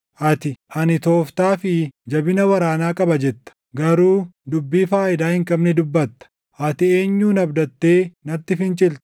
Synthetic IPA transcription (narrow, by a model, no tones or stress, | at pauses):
ʔɐt̪ɪʔɐnɪt̪o̞ːft̪aːfɪd͡ʒɐbɪnɐwɐɾaːnaːkʼɐbɐd͡ʒɛt̪ːɐ̥ | ɡɐɾuːd̪ʊbːiːfaːʔɪd̪aːhɪŋkʼɐbnɛd̪ʊbːɐt̪ːɐ̥ | ʔɐt̪ɪe̞ːɲːuːnɐbd̪ɐt̪ːe̞ːnɐɾt̪ːɪfɪnt͡ʃʼɪlt̪